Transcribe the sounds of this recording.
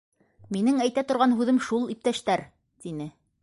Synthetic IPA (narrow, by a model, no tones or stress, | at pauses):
minɘŋæjt̪æt̪ŏɾʁɑnɦʉðɘmʃulˠip̚t̪æʃt̪æɾ | t̪inɘ